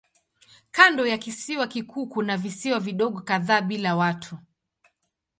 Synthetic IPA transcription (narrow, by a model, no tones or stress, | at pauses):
kandɔjakisiwakikuːkunavisiwaviɗɔɠɔkaðaːɓilawatʰu